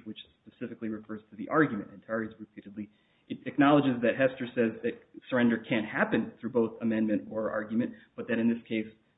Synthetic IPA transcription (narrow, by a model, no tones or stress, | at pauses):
wɨt͡ʃspɨsɪfɨkliɹɨfɜ˞z̥tʰɨðiʔɑɹɡjmɨ̰̃ntɨ̃ntʰɛɹizɹɨpʰiɾɨdˡli | ɨɾɨk̚nɑlˠəd͡ʒɨzðɨt̚ɦɛstə˞sɛzðɨt̚sə˞ɛ̃ndə˞kʰɨ̃nhæpɨ̃nθɹʉboʊθəmɛ̃nmɨ̃ntə˞ɑ̰ɹɡjmɨ̃ntb̥ʌt̪̚ðɨɾɨ̃nðɪskʰeɪs